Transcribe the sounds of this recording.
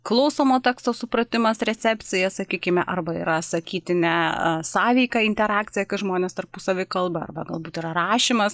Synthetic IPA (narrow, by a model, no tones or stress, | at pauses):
klˠɐʊsoːmoːt̪ʲɑkst̪oːsʊpɾɐt̪ʲɪmɐsɾʲɛt̪sʲɛpʲtt͡ssʲɪjɛsɐkʲiːkʲɪmʲɛʔɐrbɐḭɾɐsɐkʲiːt̪ʲɪnʲɛ̰sɑːʋʲɛɪkɑɪnʲt̪ʲɛɾɑːkt͡sʲɪjɛkɐɪʒmoːnʲeːst̪ɐrpʊsɐʋʲɪkɐlˠbɐɐ̰rbɐɡɐlˠbuːt̪iɾɐɾɑːʃʲimɐs